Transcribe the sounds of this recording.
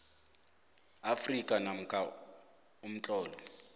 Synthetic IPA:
afrikʼanam̩kʼa | um̩t͡ɬʼɔːlɔ

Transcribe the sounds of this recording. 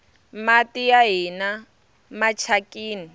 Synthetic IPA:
matijaɦina | mat͡ʃʰakʼiːni

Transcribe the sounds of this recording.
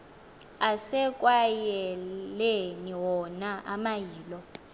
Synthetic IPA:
asɛkʼwajɛɛleniwɔnaʔamajiːlɔ

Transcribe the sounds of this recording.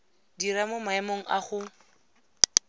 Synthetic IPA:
diɾamomaɛmoŋ̩ʔaχʊ

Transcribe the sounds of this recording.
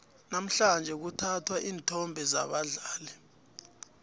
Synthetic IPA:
nam̩ɬand͡ʒʱɛk̬utʰatʰwaʔiːntʰɔmbʱɛzaɓaɮaːlɛ

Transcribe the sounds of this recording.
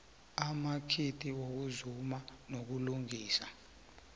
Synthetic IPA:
amakʰitʰʼiwok̬uzumanok̬uluŋiːsa

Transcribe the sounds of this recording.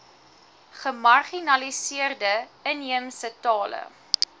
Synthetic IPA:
χəmɐrχinɐlisiərdəəniəmsətɑːlə̰

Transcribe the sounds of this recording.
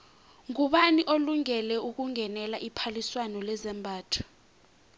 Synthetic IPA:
ŋuɓaniʔoluŋɛlɛuk̬uŋɛnɛlaʔipʰaliswanɔlɛzɛmbʱaːtʰḁ

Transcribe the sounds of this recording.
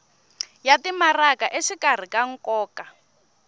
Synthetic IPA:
jatimarakaʔeʃikar̤ikaŋ̩kɔːka

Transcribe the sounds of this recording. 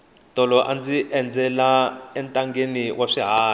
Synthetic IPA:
tʼɔlɔʔand͡ziʔɛnd͡zɛlaɛntʼaŋɡeniwʔaʂiɦaː

